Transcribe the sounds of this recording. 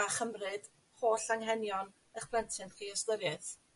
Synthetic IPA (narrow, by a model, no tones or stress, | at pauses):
aχəmrɨd̥ | χoːɬaŋɦɛnjɔn | əχpʰl̥əntʰɨnχiːɔslˠəɡɨθ